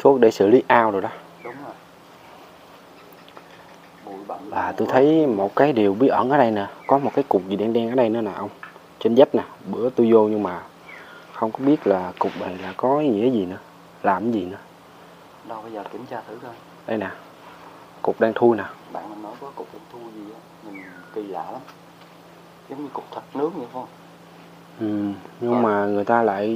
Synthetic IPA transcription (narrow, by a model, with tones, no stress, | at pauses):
t̪ʰu˦˥ək̚ɗe˧˩sɨ̰˧˨li˨˦ʔaː˧wɗo˨˩jɗɔ˨˦ | ɗʊ˨˦ŋ͡m | jɓaː˨˩t̪o˧jt̪ʰə˨˦jmo˨˩t̚kaː˨˦jɗi˨˩əwɓi˦˥ət̚ʔə̰˧˩nʔəː˨˦ɗə˧jna˨˩kɔ˨˦mo˨˩t̚kaː˨˦jkʊ˨˩k͡p̚zi˨˩ɗaː˧ŋɗaː˧ŋʔəː˨˩˦ɗə˧jnɨ̰˧˦naː˨˩ʔə˧wŋ͡m | t͡ɕe˧nzə˦˥p̚naː˨˩ɓɨ̰˧˩˥ət̪u˧jzo˧ɲɨ˧ŋmaː˨˩ | xə˧wŋ͡mkɔ˨˦ɓi˦˥ət̚laː˨˩kʊ˨˩k͡p̚ɓa˨˩laː˨˩kɔ˨˦ɲɨ̰˧˦˥ŋkaː˨˦zi˨˩nɨ̰˧˦ə | laː˨˩m˨˦zi˨˩nɨ̰˧˩ə | ɗə˧wɓaː˧jzəː˨˩kḭ˨˧˩mt͡ɕaː˧˩t̪ʰɨ˨˦t̪ʰo˧j | ɗə˧jna˨˩ | kʊ˨˩k͡p̚ɗaː˧ŋt̪ʰu˧jnaː˨˩ɓa̰ː˧˨na˨˩nːɔ˨˦jkɔ˨˦kʊ˨˩k͡p̚ɗaː˧ŋt̪ʰu˧jzi˨˩ʔaː˨˦ | mï˨˩ŋ̟t̪i˨˩la̰ː˧˨la˨˦m | zə˨˦wŋ͡mɲɨ˧kʊ˨˩k͡p̚t̪ʰə˨˩t̚nɨ˨˦əŋ̚ɲɨ̰˧˨xwŋ͡m | ʔɨ˨˩mɲɨ˧ŋmaː˨˩ŋɨ˨˩əjt̪aː˧la̰ː˧˨j